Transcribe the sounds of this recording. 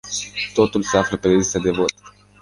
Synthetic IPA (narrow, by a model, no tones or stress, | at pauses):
t̪o̞t̪ulseafləped̪eist̪ad̪e̞vo̞t̪